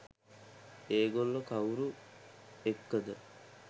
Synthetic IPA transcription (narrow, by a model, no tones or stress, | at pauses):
eːɡolːəkauɾu | ekːəd̪ə